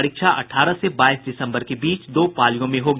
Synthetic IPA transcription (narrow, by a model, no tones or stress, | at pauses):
ɾɪkʃaʔɐ̰ʈʰaːɾəsebaːisɖɪsə̃mbəɾkebiːt͡ʃd̪oːpaːlijõmẽɦoːɡ